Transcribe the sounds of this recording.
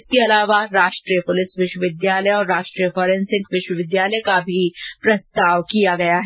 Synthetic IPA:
skeɐlaːʋaɾaːʃʈɾiːjəpʊlɪsʋɪʃwəʋɪd̪jaːləjɔːɾːaːʃʈɾijəfɔːɾɛ̃nsɪ̃ŋkʋɪʃwəʋɪd̪jaːləkabʱipɾɐst̪aːʋkijaɡɐjaɦɛ

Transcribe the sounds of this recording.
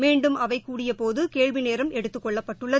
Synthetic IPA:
meːɳɖɯmʔɐʋɐɪkːuːɽɪjɐpoːðɯkeːɻʋɪneːɾɐmɛɽɯt̪ːɯkːɔɭːɐpːɐʈːɯɭːɐ

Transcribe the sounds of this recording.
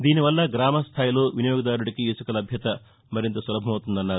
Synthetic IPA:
d̪iːniʋɐlːɐɡɾaːmɐst̪ʰaːjilo̞ːʋinɐjoːɡɐd̪aːɾuɽɐkiisɐkɐlɐbʱjɐt̪ɐ | mɐɾint̪ɐsʋɐlɐbʱɐmɐwt̪und̪ɐnːaːɾu

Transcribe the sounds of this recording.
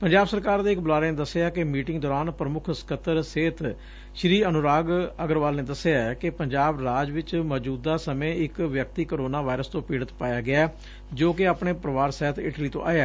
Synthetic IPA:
pəɲd͡ʒaːbsəɾkaːɾd̪eːkbəlaːɾeneːd̪əsːeaːkɪmiːʈɪŋɡd̪ɔːɾaːnpɾəmʊkʰskət̪ːəɾseːt̪ | ʃɾiːənʊɾaːɡəɡəɾʋaːlneːd̪əseaːkɪpəɲd͡ʒaːbɾaːd͡ʒʋɪt͡ʃmɔːd͡ʒuːd̪ːaːsəmẽːɪkʋjək̚t̪iːkoɾoːnaːʋaːɪɾəst̪õːpiːɽət̪paːjaːɡɪaː | d͡ʒoːkeaːpɳeːpɾəʋaːɾsɛːt̪ɪ̰ʈliːt̪õ̰ːʔa̰ːjaː

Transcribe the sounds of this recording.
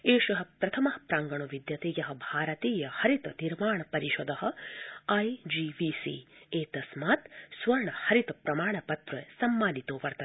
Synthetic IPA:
eːʃɐɦɐ̆pɾɐt̪ʰɐmɐɦɐpɾaːŋɡɐɳuʋid̪jɐt̪eːjɐɦɐ̆bʱaːɾɐt̪iːjɐhɐɾit̪ɐniɾmaːɳɐpɐɾiʃɔd̪ɐɦɐ̆ɐjd͡ʒiːʋiːsḭːeːt̪ɐsmaːt̪sʋɐɾɳɐhɐɾit̪ɐpɾɐmaːɳɐpɐt̪ɾɐjsɐmːaːnit̪oːʋɐɾt̪ɐ

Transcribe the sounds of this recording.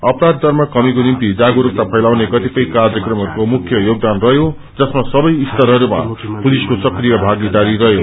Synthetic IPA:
ʌpɾad̪̚ːʌrmʌkʌmikonimt̪id͡zaɡoɾuk̚t̪apʰʌjlawnekʌt̪ipʌjkard͡zʌkrʌmɦʌɾukomukʰjʌjoɡ̚d̪anrʌɦjo | d͡zʌsmasʌbʌjist̪ʌɾɦʌɾuma̰puliskosʌkrijʌbʱaɡid̪aɾiɾʌɦjo

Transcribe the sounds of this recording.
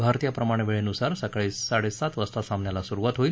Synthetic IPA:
bʱaɾt̪ijapɾəmaɽ̃eʋeɭenusaɾsəkaɭiːsaɽesat̪ʋəst̪asãmnjalasuɾuʋat̪ɦoil

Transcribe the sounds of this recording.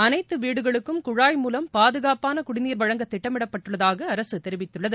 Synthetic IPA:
ɐnɐɪt̪ːɯʋiːɽɯɣɐɭɯkːɯmkʊɻaːjmuːlɐmpaːðɯɣaːpaːnɐkʊɽɪniːɾʋɐɻɐŋɡɐt̪ːɪʈːɐmɪɽɐpːɐʈːɯɭːɐðaːɣɐɐɾɐsɯt̪ːɛɾɪʋɪt̪ːɯɭːɐðɯ

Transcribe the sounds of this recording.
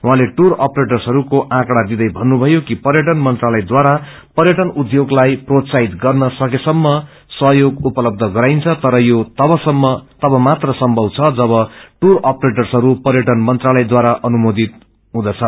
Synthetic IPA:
ɦwãleʈurʌpreʈʌrsɦʌɾukoʔãkɽad̪id̪ʌjbʱʌnːubʱʌjokipʌrjʌʈʌnmʌnt̪ralʌjd̪waɾa | pʌrjʌʈʌnud̪joɡlajprot̪sait̪ɡʌrnʌsʌkesʌmːʌ | sʌɦjoɡupʌlʌb̚d̪ʱʌɡʌɾajnt͡sʰʌt̪ʌɾʌjot̪ʌbʌsʌmːʌt̪ʌbʌmat̪rʌsʌmbʱʌwt͡sʰʌd͡zʌβʌʈurʌpreʈʌrsʌɾupʌrjʌʈʌnmʌnt̪ralʌjd̪waɾaʔʌnumod̪ʱit̪̚ | ɦũd̪ʌt͡sʰʌ

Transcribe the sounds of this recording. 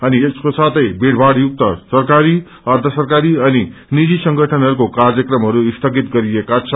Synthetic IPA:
ʌnieskosat̪ʌjbeɽ̤baɽjuk̚t̪ʌsʌrkaɾi | ʌrt̪ʰʌsʌrkaɾiʌninid͡zisʌŋɡʱʌʈʰʌnɦʌɾukokarjʌkrʌmɦʌɾuist̪ʰʌɡit̪ɡʌɾiekat͡sʰʌ

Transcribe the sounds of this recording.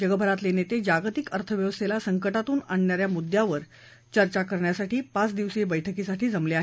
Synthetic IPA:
d͡ʑəɡəbʱəɾat̪lenet̪ed͡ʑaɡt̪ikəɾt̪ʰəʋjəʋst̪ʰelasəŋkəʈat̪uːnaɳnjaɾjamud̪jaʋəɾ | t͡ɕəɾt͡ɕakəɾɳjasaʈiːpat͡sd̪iʋsibəjʈʰəkisaʈiːd͡zəmleaɦe

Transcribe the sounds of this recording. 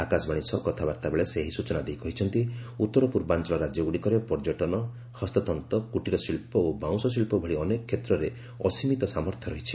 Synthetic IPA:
akasbaɽ̃isɔkɔt̪ʰabaɾt̪abeɭeseɦisut͡ʃɔnad̪ejkɔɦit͡ʃʰɔnt̪iut̪ːɔɾɔpuɾbant͡ʃɔɭɔɾad͡ʒjɔɡuɽikɔɾepɔɾd͡ʒɔʈɔnɔ | hɔst̪ɔt̪ɔnt̪ɔkuʈiɾɔsilpɔobaw̃sɔsilpɔbʱɔɭiɔnekɔkʰːet̪ɾɔɾe | ɔsimit̪ɔsamɔɾt̪ʰjɔɾɔɦit͡ʃʰi̥

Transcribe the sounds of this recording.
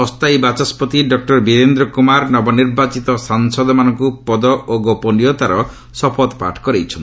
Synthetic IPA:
ɔst̪ajbat͡ʃaspɔt̪iɖɔk̚ʈɔɾbiɾend̪ɾɔkumaɾnɔbɔniɾbat͡ʃit̪ɔsaŋsɔd̪ɔmanɔŋkupɔd̪ɔʔoɡopɔnijɔt̪aɾɔ | sɔpʰɔd̪pa̰ʈʰkɔɾejt͡ʃʰɔn

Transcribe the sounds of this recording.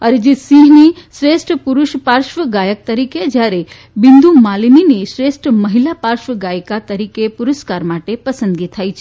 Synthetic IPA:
ɐɾd͡ʒisiːɦniʃɾeːsʈpuɾʊʃpaːɾʃʋəɡaːjək̚t̪ɐɾiːked͡ʒaːɾe | bind̪umaːlniniʃɾeːsʈmɐɦilapaːɾʃʋəɡaːjkat̪ɐɾiːkepʊɾəskaːɾmaːʈepɐsə̃nd̪ɡit̪ʰaːjt͡ʃʰ

